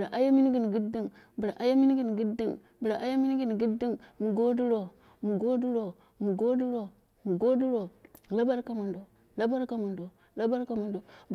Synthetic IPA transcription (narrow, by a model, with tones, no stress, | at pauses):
ɾa˨ʔa˦ja˦mi˦ni˦ɡi˦˨n˨ɡi˦dːi˦ŋ | bi˨ɾa˨ʔa˦ja˦mi˦n˦ɡi˦˨n˨ɡi˦dːi˦ŋ | bi˨ɾa˨ʔa˦ja˦mi˦ni˦ɡi˦˨n˨ɡi˦dːi˦ŋmu˨ɡo˦du˦ɾo˨ | mu˨ɡo˦du˦ɾo˨ | mu˨ɡo˦du˦ɾo˨ | mu˨ɡo˦du˦ɾo˨la˦ba˦ɾka˨mu˨ndo˨ | la˦ba˦ɾka˦mu˨ndo˨ | la˦ba˦ɾka˨mu˨ndo˨b